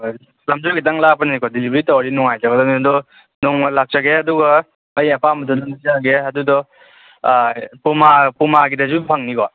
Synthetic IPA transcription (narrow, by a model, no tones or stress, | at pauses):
lamzɔɡitaŋlapannikɔdilibɾitɔwaɾinɔŋajzaɡɔdɔnɔndɔ | nɔŋlak̚t͡ʃaɡeɐduɡɐː | jɐpʰamɐtʰɔdɔnzaɡeɐdudɔ | pumapumaɡidɐzupʰaŋnikɔ